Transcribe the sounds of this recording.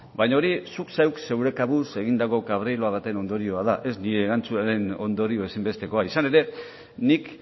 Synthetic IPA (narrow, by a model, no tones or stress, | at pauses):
baɲaoɾisuksewkse̞wɾe̞kaβuse̞ɣind̪ako̞kaβ̞ɾelo̞aɣat̪e̞no̞nd̪o̞ɾio̞að̞aʔe̞zniɾe̞ːɣant͡suaɾe̞no̞̰nd̪o̞ɾio̞e̞simbe̞st̪e̞ko̞aisane̞ɾe̞ | nik